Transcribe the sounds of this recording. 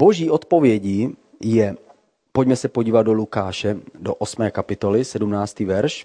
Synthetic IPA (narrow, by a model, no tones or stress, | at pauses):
bo̞ʒiːʔo̞t̪po̞vjɛɟiː | jɛ | po̞ɟmɛsɛpoɟiːvad̪̚do̞lukaːʃɛdoʔosmɛːkapɪt̪o̞lɪsɛdumnaːt͡st̪iːvɛɾʃ